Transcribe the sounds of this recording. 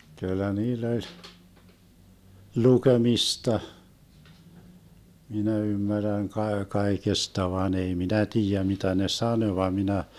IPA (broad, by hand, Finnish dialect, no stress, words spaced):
kylːæ niːlː olʲ lukemistɑ minæ ymːærːæn kɑe kɑekestɑ ʋɑːn ei minæ tiːjæ mitæ ne sɑnø ʋɑ minæ